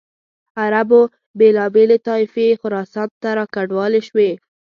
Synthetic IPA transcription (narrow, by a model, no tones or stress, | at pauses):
aɾabo | belɑbelet̪ɑɪfexʊɾɑsɑt̪t̪ːaɾɑkaɖwɑleʃwe